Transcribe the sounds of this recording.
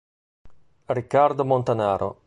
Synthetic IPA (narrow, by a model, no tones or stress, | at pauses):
rikːard̪omont̪anaːɾʔo̰